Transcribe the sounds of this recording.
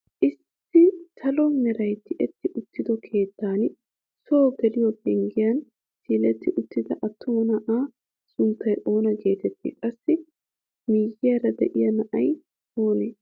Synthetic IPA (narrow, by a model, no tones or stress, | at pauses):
ʔɪsː | ɪt̪ʰɐlɔnɛɾɐjt̪ːɪʔɛt̪ːɪʔʊt̪ːɪd̪ɔkʰe̞ːt̪ːaːn | soːɡɛlɪjɔbɛŋɡɪjɐn | siːlɛt̪ːɪʔʊt̪ːɪd̪ɐʔɐt̪ʰːʊmɔnɐʔaː | sʊnt̪ːɐjʔo̞ːnɐɡe̞ːt̪ɛt̪ːḭːkʼɐsːɪ | miːjɪjɐɾɐd̪ɛʔɪjɐnɐʔɐj | oːneː